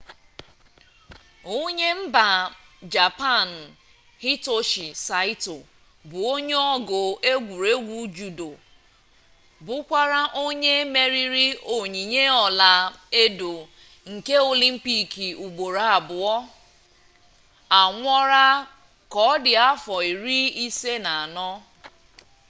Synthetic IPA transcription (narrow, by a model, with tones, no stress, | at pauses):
o˦ɲe˦m̩˦ba˨ | d͡ʒa˨pa˦˨n̩˨ | hi˦to˦ʃi˨sa˨ɪ˦to˨ | bʊ˨o˦ɲe˦ɔ˦ɡʊ˨e˦ɡʷu˨ɾe˦ɡʷu˦d͡ʒu˨do˨ | bʊ˦kʷa˦ɾa˦ʔo˦ɲe˦me˦ɾi˦ɾi˦o˨ɲi˨ɲe˦ɔ˨la˨e˦do˨ | ŋ̩˨ke˦o˨li˦m̩˦pi˦ki˨u˨ɡ͡bo˨ɾa˨a˨bʊ˨ɔ˦ | a˨ŋʷɔ˦ɾa˦ | kɔ˦dɪ˨a˦fɔ˨i˨ɾi˦i˦se˦na˨a˨nɔ˦